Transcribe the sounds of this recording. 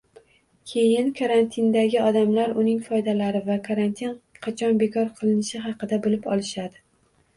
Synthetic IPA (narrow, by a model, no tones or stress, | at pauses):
kʲʰe̞jɪnkʰaɾant̪ʰɪnd̪aɡʲɪɒd̪amlaɾʊnɪŋfɒjd̪alaɾɪvakʰaɾant̪ʰinqʰɑt͡ʃʰɒnbe̞kʰɒɾqʰɨlˠɪnɪʃɪɦɑqɨd̪abɪlɪpɒlˠɪʃad̪ɪ